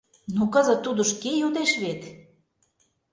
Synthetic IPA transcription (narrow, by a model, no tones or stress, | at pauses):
nukə̆zə̆t̪ːud̪ŏʃkejud̪eʃβet̪